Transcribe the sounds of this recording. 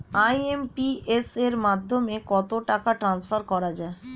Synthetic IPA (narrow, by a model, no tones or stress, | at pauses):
ajempieseɾmad̪ʱːomekɔt̪oʈakaʈɾansfʰaɾkɔɾad͡ʑae